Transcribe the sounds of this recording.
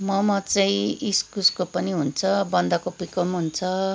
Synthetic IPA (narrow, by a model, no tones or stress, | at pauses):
mʌmʌt͡sʌĩiskuskopʌniɦunt͡sʰʌbʌnd̪akopikʌmɦunt͡sʰʌ